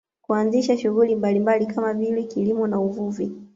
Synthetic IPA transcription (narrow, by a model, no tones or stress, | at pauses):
kuanziʃaʃuɣulimbalimbalikamavilɛkilimɔnauvuvi